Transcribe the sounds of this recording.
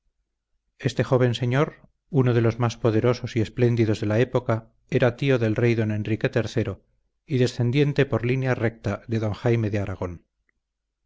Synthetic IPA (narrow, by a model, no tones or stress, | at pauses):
e̞st̪e̞xo̞β̞e̞nseɲo̞ɾ | uno̞ð̞e̞lo̞zmaspo̞ðe̞ɾo̞so̞sie̞sple̞nd̪iðo̞zðe̞lae̞po̞ka | e̞ɾat̪io̞ðe̞lre̞jðo̞ne̞nrike̞t̪e̞ɾθe̞ɾo̞ | iðe̞sθe̞nd̪je̞nt̪e̞po̞ɾlinjare̞k̚t̪aðe̞ðo̞ŋxajme̞ðeaɾaɣ̞o̞n